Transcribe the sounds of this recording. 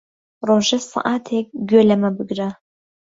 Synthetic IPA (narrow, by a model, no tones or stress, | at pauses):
roʒɐsɨ̰ʔaːtʰek̚ɡʲølɐmɐbɨɡrɐ